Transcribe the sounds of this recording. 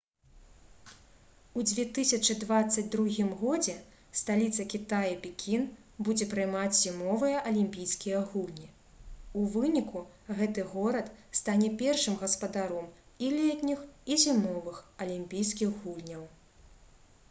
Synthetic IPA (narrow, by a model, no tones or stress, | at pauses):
ud͡zʲvʲɛt̪ɨsʲɐt͡ʂɨd̪vat̪sːɐd͡zʲd̪ɾuɣʲimɣɔd͡zʲɛ | st̪alʲit̪sɐkʲit̪ajipʲikʲʰin | bud͡zʲɛpɾɨjmat͡sʲzʲimɔvɨjɐʔɐlʲimʲpʲijskʲijɐɣulʲnʲi | uvɨnʲiku | ɣɛt̪ɨɣɔɾɐt̪st̪anʲɛpʲɛrʂɨmɣɐspɐd̪aɾɔm | ilʲɛt̪ʲnʲixizʲimɔvɨxɐlʲimʲpʲijskʲiɣɣulʲnʲɐw